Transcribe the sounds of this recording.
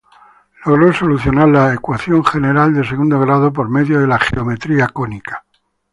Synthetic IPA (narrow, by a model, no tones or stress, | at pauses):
lo̞ɣ̞ɾoso̞luθjo̞naɾlaekwaθjo̞ŋχe̞ne̞ɾald̪ese̞ɣund̪o̞ɣɾað̞o̞p̬o̞ɾme̞ðjoðe̞laχḛo̞me̞t̪ɾiakonikḁ